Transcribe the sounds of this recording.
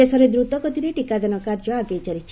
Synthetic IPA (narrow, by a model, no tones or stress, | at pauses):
esɔɾed̪ɾut̪ɔkɔt̪ʰiɾeʈikad̪enɔkaɾd͡ʒɔaɡejt͡ʃaɾit͡ʃʰi̥